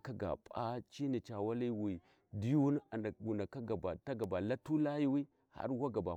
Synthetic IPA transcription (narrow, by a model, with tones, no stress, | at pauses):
ka˦ɡa̰˨pʼa̰˦t͡ʃi˦ni˨t͡ʃa˨wa˦li˦wi˨ | di˦ju˦n˦a˨na˨ɡu˨na˨ka˦ɡa˨ba˨ta˦ɡa˨ba˨la˦tu˦la˦ji˦wi˦ | ha̰˦ɾwa˦ɡa˨ba˨